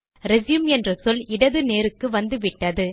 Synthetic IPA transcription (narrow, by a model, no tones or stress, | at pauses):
ɾɛzjɯmɛndrɐsɔlɪɽɐðɯneːɾɯkːɯʋɐnd̪ɯʋɪʈːɐðɯ